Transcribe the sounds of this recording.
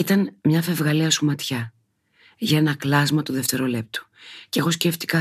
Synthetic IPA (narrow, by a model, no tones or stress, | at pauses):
it̪ɐnmɲɐfe̞vɣɐliɐsumɐt̪çɐ | ʝɐe̞nɐklɐzmɐt̪oðeft̪e̞ɾo̞le̞p̚t̪u̥ce̞ɣo̞sce̞ft̪i̥kɐ